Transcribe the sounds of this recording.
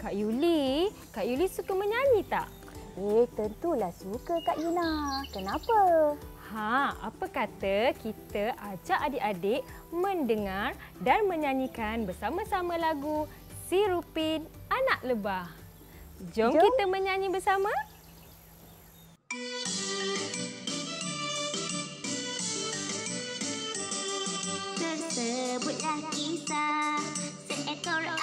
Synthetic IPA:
kaʔjuli | kaʔjulisukəmə̃ɲaɲĩt̪a̰ʔ | eht̪ənt̪ulahsukəkaʔjunakənapə | hãa̰pəkat̪əkit̪əʔad͡ʒaʔadeʔadeʔ | mə̃ndəŋardanmə̃ɲãɲĩkanbəsamãsamãlaɡu | siɾupinanaʔ̚ləbah | d͡ʒɔŋkit̪əmə̃ɲãɲĩbərsamã | səsəbut̪̚lakisa | səɛt̪ɔɾ

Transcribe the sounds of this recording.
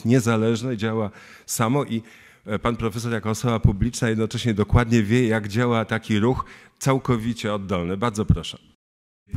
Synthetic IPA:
ɲɛzalɛʐnɛd͡ʑawa | samɔʔi | panpɾɔfɛs̬ɔɾjakɔːsɔbapublʲit͡ʂnajɛd̪nɔt͡ʂɛɕɲɛd̪ɔkwad̪ɲɛvʲjɛjaɡd͡ʑawat̪akʲiɾuxt̪sawkɔvʲit͡ɕɛɔd̪ːɔlnɘbaɾd̪zɔpɾɔʂɛ

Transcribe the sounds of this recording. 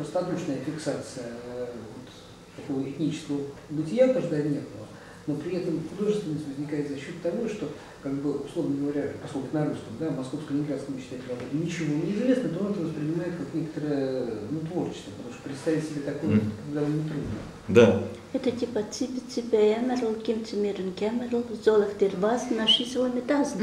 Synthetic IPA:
pɾost̪əɐt̪ot͡ɕnəjəfʲɪksat̪sɨjəvot̪ | t̪ɐko̞vəɪt̪ʲnʲit͡ɕɪ̥skəvəbɨtʲɪjak̪aʐd̪anʲet̪nəvə | no̞pɾʲɪɛt̪əmxʊd̪o̞ʐɨst̪ʲvɪnːəsʲtʲvəzʲnʲɪkajɪt̪zɐɕːot̪ːɐvo̞ʂt̪o̞ | kaɡ̚bɨʊslˠo̞vnəɡəvɐɾʲapɐsko̞lʲkʊnɐɾuskəmd̪avmɐsko̞fskəɪɪnɡɾat̪skəmt͡ɕːt̪ʲɛt̪ʲvɐɡod̪ʲɪnʲɪt͡ɕɪvonʲɪːzvʲe̞snəət̪oonɛt̪əvəspɾʲɪnʲɪmajɪt̪kaknʲekə̥t̪əɾəjənut̪vo̞rt͡ɕɪ̥st̪vəpət̪ɐmuʂt̪əpɾʲɪt̪st̪avʲɪtʲsʲɪbʲet̪ɐkojəkɐɡd̪aomnʲɪt̪ɾud̪nə̰ | d̪a | ɛt̪ət̪ʲipət͡s̪ʲipʲɪt͡s̪ʲipʲəɛmʲɪɾəlˠkʲɪmt̪ʲɪmʲeɾənkʲɛmʲɪrəlˠzolˠəxt̪ɪrʲvasnaʂɨsʲvojmʲɪt̪azn

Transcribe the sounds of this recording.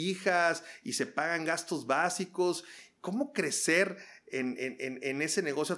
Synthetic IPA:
ixasise̞paɣaŋɡast̪o̞zβasiko̞sko̞mo̞kɾe̞se̞ɾenenenene̞se̞ne̞ɣo̞sjo

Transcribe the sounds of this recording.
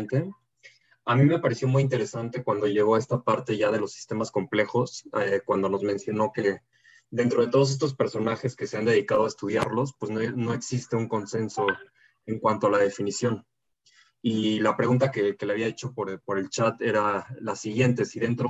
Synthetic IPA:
nt̪e | amĩme̞paɾe̞sjo̞mujint̪eɾe̞sant̪e̞kwand̪o̞ʝe̞ɣo̞ae̞st̪apaɾt̪e̞ʝaðe̞lo̞sːi̥st̪e̞masko̞mple̞xo̞sekwand̪o̞no̞zmẽ̞nsjo̞no̞ke̞ | d̪e̞nt̪ɾo̞ðe̞t̪o̞ð̞os̬est̪o̞spe̞ɾso̞naxe̞ske̞se̞and̪e̞ðikað̞o̞aest̪uðjaɾlo̞spwe̞znono̞e̞ksist̪e̞uŋko̞nse̞nso̞ | e̞ŋkwant̪oalað̞e̞finisjo̞n | ilapɾe̞ɣunt̪akeke̞le̞aβiaet͡ʃo̞poɾpo̞ɾe̞lt͡ʃat̪e̞ɾalasiɣje̞nt̪e̞siðe̞nt̪ɾo

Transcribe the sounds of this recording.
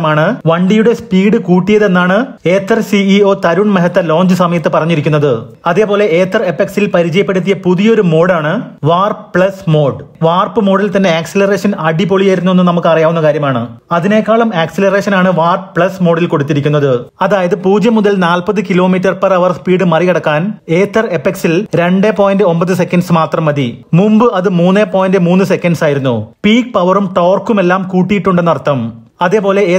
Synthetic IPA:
ɐmaːɳɨʋɐɳɖijuɽe̞spiːɽɨkuːʈːijɐðe̞nːaːɳɨ | eːt̪ːɐrsiio̞ːt̪ɐɾuɳmeɦɐt̪ːɐlo̞ːɲd͡ʑɨsɐmɐjɐt̪ːɨpɐrɐɲːiɾik̬ʲːunːɐðɨ | ɐðe̞ːpo̞ːle̞eːt̪ɐrepːeksilpɐɾit͡ɕɐjɐpːe̞ɽut̪̬ːijɐpuðijo̞ɾumo̞ːɽaːɳɨʋaːrpɭɐsmoːɖʋaːrpɨmo̞ːɽilt̪ɐnːe̞aːkselɐre̞ːʂɐnɐɖipo̞ɭijɐjiɾunːue̞nːɨnɐmukːɨɐrijaːʋunːɐkaːɾjɐmaːɳɨɐðine̞kːaːɭɐmaːksilɐre̞ːʂɐnaːɳɨʋaːrpɨpɭɐsmo̞ːɽɐlko̞ɽut̪ːiɾikʲːunːɐðɨɐðaːjɐðɨpuːd͡ʑjɐmːuðɐlnaːlpɐðɨkilo̞ːmiːt̬ːɐrpɐrɐʋɐrspiːɽɨmɐrikɐɽɐkːaːne̞ːt̪ːɐre̞pːeksilɾe̞ɳɖeːpo̞ːjndɨo̞mpɐðɨs̬e̞kːɐnɖsmaːt̪rɐmːɐðimumbɨɐðɨmuːnːeːpo̞ːjɐndɨmuːnːɨse̞kʲːɐɳɖsaːjiɾunːupiːk̚pɐʋɐrumʈo̞ːrkːume̞lːaːmkuːʈːijiʈːuɳɖenːɐrɐt̪ːɐmɐðe̞ːpo̞ːle̞ː

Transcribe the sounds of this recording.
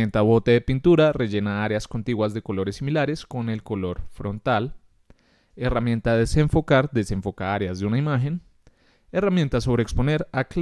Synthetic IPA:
ent̪aβo̞t̪eðepint̪uɾare̞ʝe̞naaɾeasko̞nt̪iɣwazðe̞ko̞lo̞ɾe̞sːimilaɾe̞sko̞ne̞lko̞lo̞ɾfɾo̞nt̪al | e̞ramjẽ̞nt̪aðe̞seɱfo̞kaɾd̪e̞se̞ɱfo̞kaaɾeazd̪eunaimaxe̞n | eramje̞nt̪aso̞βɾeːkspo̞ne̞ɾakl

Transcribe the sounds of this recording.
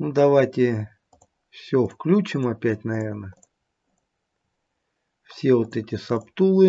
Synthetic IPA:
nud̪ɐvajtʲɪ | fsʲɵfklʲut͡ɕɪmɐpʲætʲnɐvʲe̞rnə | fsʲe̞vot̪ɛtʲɪsɐpt̪ulˠɨ

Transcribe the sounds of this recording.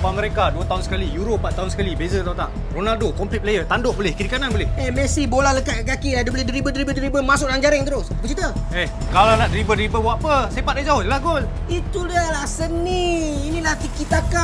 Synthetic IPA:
paməɾekaduət̪aɦʊnsə̥kalijuɾopːat̪ːaɦʊnsə̥kalibezət̪awt̪aʔ | ronaldokɔmplit̪̚plejət̪andʊʔbolɪhkiɾikananbolɪhemɛsibolahləkaʔɡakiadəboledəɾibədəɾibədəɾibəmas̬ʊʔnaŋd͡ʒaɾɪŋt̪əɾʊsbət͡ʃit̪ə | eh | kalanaʔdəɾibədəɾibəbwaʔpəsepat̪̚dəʔd͡ʒaɦʊtjəlahɡol | it̪uləlahsəniːnĩlaht̪ikit̪aka

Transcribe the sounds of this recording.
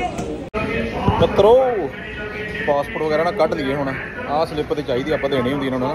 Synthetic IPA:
kət̪ːɾoː | paːspoːʈʋəɡɛːɾaːnãːkəʈnĩːeːɦoːɽãː | ãːslɪpt̪et͡ʃaːiːd̪iːaːpːãːd̪eːñẽiːɦʊ̃nd̪iːnãːnoːaː

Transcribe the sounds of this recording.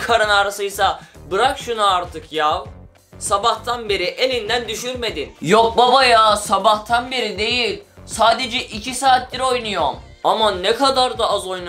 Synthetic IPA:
kʰaɾanaɾasɯjsabɯɾakʃunuaɾt̪ʰɯkʰjav | sabaht̪ʰanbeɾiʔelʲind̪ænd̪yʃyɾme̞d̪injok̚babajasabaht̪ʰanbeɾid̪e̞jilʲsaːd̪e̞d͡ʒɛʔicʰisaːt̪̚bʲiɾo̞jnujoɾm | amanɛkʰad̪aɾd̪aazo̞jn

